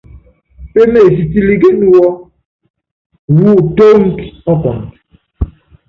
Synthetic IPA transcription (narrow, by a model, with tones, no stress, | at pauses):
pe˦me˦˨si˨ti˨li˨ɡe˦nu˦wɔ˦ | wu˦˨to˦ŋ̩˦ki̥˨ɔ˦kɔ̰˨ŋ˨t